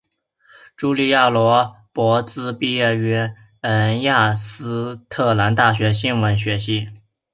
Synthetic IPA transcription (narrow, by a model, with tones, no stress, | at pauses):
ʈ͡ʂu˥li˥˧ja˥˩lwɔ˧˥ | pwɔ˧˥t͡sɹ̩˥pi˥˧jɛ˥˩ɛ˥ | ə˧˥nja˥˩sɹ̩˥t̪ʰɤ˥˩la˧˥nt̪a˥˩ɕ̬ɥɛ˧˥ɕi˥nwə˧˥nɕɥɛ˧˥ɕi˧˥